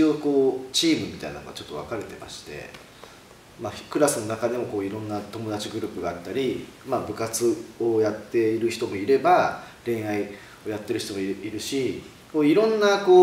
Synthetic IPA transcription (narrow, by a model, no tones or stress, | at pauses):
o̞ːko̞ːt͡ɕiːmɯ̟mʲit̪aina̰noɡat͡ɕo̞t̪ːo̞a̰kaɾe̞t̪e̞ma̰ɕi̥t̪e̞̰ | makɯ̟ɾasɨno̞nakad̪emo̞ko̞ːiɾõ̞nːat̪o̞mo̞d̪at͡ɕiɡɯ̟ɾɯ̟ːpɯ̟ɡaat̪ːaɾʲimabɯ̟kat͡sɨo̞jat̪ːe̞iɾɯ̟çi̥t̪o̞mo̞iɾe̞baɾẽ̞ɰ̃ai | o̞jat̪ːe̞ɾɯ̟çi̥t̪o̞moiiɾɯ̟ɕi | koːiɾõ̞nːako̞ː